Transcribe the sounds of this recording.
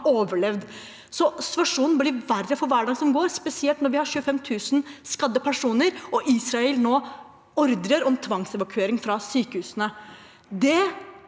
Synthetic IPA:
oːʋəɭɛʋd̪ | sɔst̪ʋɑʂuːnnblɪʋærːəfɔɾʋæːɖɑŋsɔmɡoːɾspɛsɪɛlt̪nɔɾʋɪhɑɕʉːəfɛmt̪ʰʉːsn̩skɑd̪ːəpʰæʂuːnəɾɔʔiːsɾɑɛlnoː | ɔɾd̪ɾəɾɔmt̪ʰʋɑŋsɛʋɑkʰʉeːɾɪŋfɾɑsyːkəhʉːsənə | d̪ɛ

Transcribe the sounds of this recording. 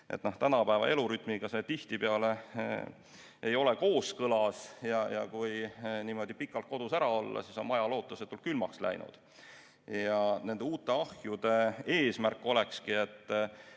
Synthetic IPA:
ʔet̪ːˑno̞ht̪ænɑpæevɑ̰ʔe̞luɾyt̪ˑmiɡ̥ɑse̞t̪iht̪ipeɑle̞ | e̞jo̞le̞ko̞ːskɤlɑsjɑjɑ̰kujniːmo̞d̪̥ipikːˑɑlt̪̚ko̞d̪̥usæɾɑolːɑ̰siso̞nmɑjɑlo̞ːt̪ːˑuset̪ːˑult̪kylmɑkslæ̰jnṵd̪̥ | jɑne̞nd̪e̞uːt̪ːˑe̞ɑhjud̪̥e̞e̞ːsmærkːˑo̞le̞kskie̞t̪ː

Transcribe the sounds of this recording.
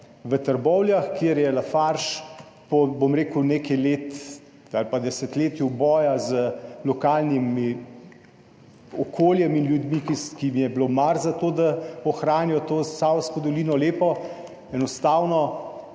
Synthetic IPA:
ʋət̪əɾbɔwljaxkjeɾjɛlafaɾʃ | pɔbomɾeːkuwneːkɛjleːt̪ | alpad̪ɛsɛt̪leːt̪jubɔːjazəlɔkalnimi | ɔkʰoːljɛminljud̪mikikimijɛblomaɾzat̪oːd̪aɔxɾaːnijɔt̪oːsawskɔd̪ɔliːnɔleːpɔ | ɛnɔst̪aːwnɔ

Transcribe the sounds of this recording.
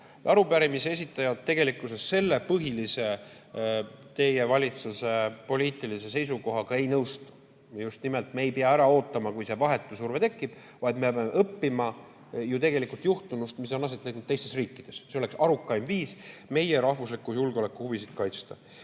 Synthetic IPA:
ʔɑɾupæɾimisee̞s̬ʲit̪ːˑɑjɑt̪ːe̞ɡ̥e̞likːˑuse̞sse̞lːepɤɦilise̞ | t̪e̞je̞vɑlʲit̪suse̞po̞liːt̪ːˑilise̞se̞js̬uko̞ɦɑkɑe̞jnɤwst̪u | just̪nimelt̪meejpeɑæɾɑo̞ːt̪ːˑɑmɑkujse̞vɑɦe̞t̪ːˑusurve̞t̪e̞kˑːib̥ | vɑjd̪mepemeʔɤpːimɑ | jut̪e̞ɡe̞likult̪juht̪unust̪mis̬onːlɑs̬et̪lek̪nud̪t̪e̞jst̪e̞sriːkːid̪̥e̞sseo̞le̞ksɑɾukːˑɑjmviːsme̞jeɾɑhvuslikːˑujulɡ̥eo̞lekːˑuhuvisid̪̥kɑjt̪st̪ɑ

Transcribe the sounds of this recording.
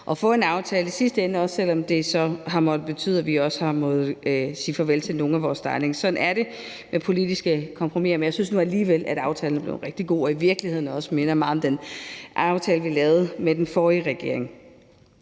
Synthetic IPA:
ʔɒ̽fɔ̽e̝nɑ̈ʊt͡sʰɛːləisisd̥əenəɒ̽sːel̰ɒ̽md̥e̝sɒ̽ɦɑ̈mɒ̽d̥ð̩ˠb̥e̝t͡sʰy̰ð̰ˠæʋiɒ̽sə̥hɑ̈mɔ̽ð̩ˠsiːfɒ̽ʋelt͡sʰe̝no̝ːn̩æʋɒːst͡sʰɑ̈ɪne̝ŋsɒ̽d̥n̩æɐɾ̥e̝ | mepʰo̝lid̥isɡ̥əkʰɒ̽mpʰʁomḭɐmenjɑsynsnuæliːʋel̰ʔæɾ̥ɑ̈ʊt͡sʰɛːln̩æb̥le̝ʊ̰nʁɛɡ̥̚d̥iɡ̥o̝̰ːɒ̽iʋiɐɡ̥lihe̝ð̰ˠn̩ɒ̽səme̝nɐmɑ̈ð̩ˠmd̥enʔɑ̈ʊt͡sʰɛːləʋilɛːʊð̩ˠmed̥enfɒːiʁɛɡ̥e̝ɐ̰e̝ŋ

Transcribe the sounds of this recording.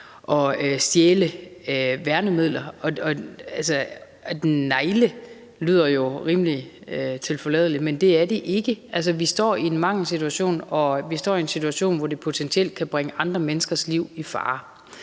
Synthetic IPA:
ʔɒ̽øsd̥jeːləøʋæɐnəmið̞̰ˠlɐɒ̽ɒ̽ælsə | d̥enːɑ̈ɪlə | ly̰ːð̞̰ˠɐjo̝ʁiːməliøt͡sʰe̝lfɒ̽lɛðˠlimend̥e̝æɐde̝ʔe̝ɡ̥əʔæls̬əʋisd̥ɒ̰ːie̝nmɑ̈ŋ̰l̩sit͡sʰuæɕo̝̰ːnɒ̽ʋisd̥ɒ̰ːiensi̥t͡sʰuæɕo̝̰ːnʋɒde̝pʰo̝t͡sʰensʰiel̰d̥̚kʰæb̥ʁaŋəʔɑ̈nd̥ʁɐmenəsɡ̥ɐsliʊ̰ifɑ̰̈ː

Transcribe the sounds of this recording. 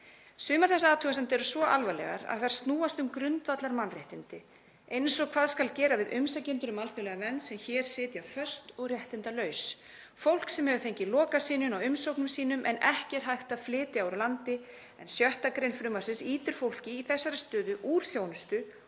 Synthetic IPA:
sʏːmaɾθɛsːaaːt̪uːɣas̬ant̪̬ɛɾʏsvɔʔalvalɛ̰ɣa̰ɾa̰ðθaɾ̥st̪nuːast̪ʏmkɾʏnt̪vat̪laɾmanreht̪ɪnt̪ɪ | ejnsɔɣkʰvaːðskalcɛːɾavɪðʔʏmsacɪnt̪ʏɾʏmalt̪ʏlɛɣavɛnːt̪sɛmçɛɾ̥sɪːt̪jafœr̥st̪ɔɣrjɛht̪ɪnt̪alœːɥs | fowl̥ksɛmhɛvʏθejɲcɪlɔːkasiːnʏmawʏmsowknʏmsiːnʏmʔɛ̰nɛhcɛɾ̥ɦajxt̪aðflɪːt̪ɪawɾlant̪ɪ | ɛnsjœht̪akɾejnfɾʏːmaɾsɪnsiːt̪ɪɾ̥fowl̥cɪːθɛsːaɾɪst̪ʏːðʏʔuːɾ̥θjownʏst̪ʏ

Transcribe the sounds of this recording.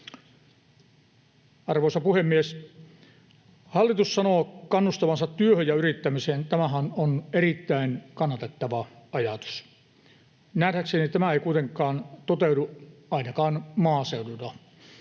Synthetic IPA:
ɑrʋoˑisɑpuhemːies | hɑlːit̪ussɑnoːkɑnːust̪ɑʋɑnsɑt̪tyøhøjjɑyrit̪ːæmiseːnt̪æmæɦænonerit̪ːæinkɑnːɑt̪et̪ːɑʋɑɑjɑt̪u̥s | nædæksenit̪æmæeikuit̪eŋkːˑɑːnt̪ot̪euduɑˑinɑkɑːnmɑːseudut̪ɑ

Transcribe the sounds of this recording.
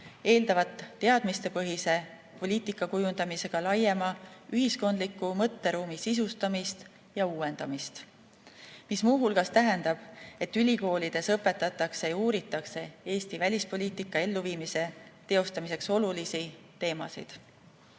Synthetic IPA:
eːld̪̥ɑvɑt̪ːe̞ɑd̪̥mist̪e̞pɤɦise̞ | po̞lʲiːt̪ikːˑɑkujund̪̥ɑmise̞ɡ̥ɑlɑje̞mɑyɦisko̞nd̪likːumɤ̞t̪ːe̞ɾuːmisis̬ust̪ɑmist̪ | jɑuːe̞nd̪̥ɑmist̪ | mismuːɦulɡ̥ɑst̪æɦe̞nd̪̥ɑb̥e̞t̪ːylʲiko̞ːlid̪̥e̞sɤpe̞t̪ːˑɑt̪ːˑɑkse̞jɑuːɾit̪ːˑɑkse̞e̞ːst̪ivælʲispo̞lʲiːt̪ikːˑɑe̞lːuviːmise̞t̪e̞o̞st̪ɑmise̞kso̞lulisi | t̪e̞ːmɑ̰sḭd̪̥

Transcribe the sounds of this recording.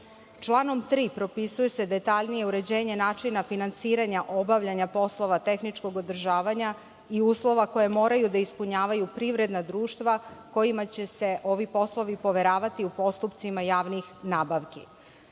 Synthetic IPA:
t͡ʃlˠaːno̞mt̪ɾiːpɾo̞pisujese̞d̪e̞t̪aʎnije̞uɾe̞d͡ʑeːɲe̞naːt͡ʂinafinansiːɾaɲaʔo̞baʋʎaɲapo̞slˠo̞ʋat̪e̞xnit͡ʃko̞ɡod̪r̩ʒaːʋaɲa | iuːslˠo̞ʋako̞jemo̞ːɾajud̪aispuɲaːʋajupɾiʋɾe̞d̪nad̪ɾuːʃt̪ʋako̞jimat͡ɕe̞se̞ʔo̞ʋipo̞slˠo̞ʋipo̞ʋeɾaːʋat̪iupo̞st̪upt̪simajaːʋnixnaːbaʋki

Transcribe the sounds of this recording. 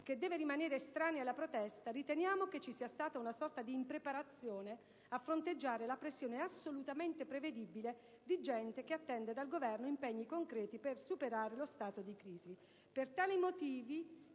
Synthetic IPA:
k̟ed̪ːɛːveɾimaneːɾest̪ɾaːnealːapɾot̪ɛst̪aɾit̪enjaːmoket͡ʃːisiːast̪aːt̪aunasɔrt̪ad̪iːmpɾepaɾat̪sːjoːne | afːɾont̪ed͡ʒːaːɾelapɾesːjoːneasːolut̪ament̪epɾeved̪ibile | d̪id͡ʒɛnt̪ek̟eat̪ːɛnd̪ed̪alɡovɛrnoimpɛɲːikoŋkɾɛːt̪ipersupeɾaːɾelost̪aːt̪od̪ikɾiːzi | pert̪aːlimot̪iːvi

